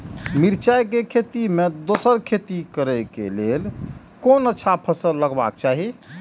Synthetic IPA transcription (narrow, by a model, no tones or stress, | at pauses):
miɾt͡ʃajkekʰet̪imed̪osəɾkʰet̪ikəɾɛkḛlel | konətːʃʰapʰəsəɾləɡba̰k̚t͡ʃaɦi